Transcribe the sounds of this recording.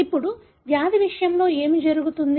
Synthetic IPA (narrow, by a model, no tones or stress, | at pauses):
ipːuɽu | ʋjaːd̪ʱiʋiʂɐjɐmlo̞ːe̞ːmid͡ʒɐɾuɡut̪und̪